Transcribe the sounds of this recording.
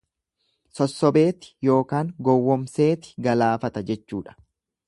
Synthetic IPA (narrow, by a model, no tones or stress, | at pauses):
sɔsːɔbe̞ːt̪ɪ̥jo̞ːkaːŋɡɔwːɔmse̞ːt̪ɪ̥ɡɐlaːfɐt̪ɐd͡ʒɛt͡ʃːuːᶑɐ̥